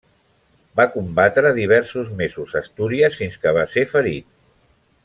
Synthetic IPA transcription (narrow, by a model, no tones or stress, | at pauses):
bakumbat̪ɾəːðiβ̞ɛɾsuzmezuzəst̪uɾiəsfinskəβ̞asefəɾit̪̚